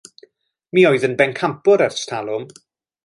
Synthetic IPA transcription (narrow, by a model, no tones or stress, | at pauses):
miːoɨðənbɛnkʰampʊɾarstʰalˠʊm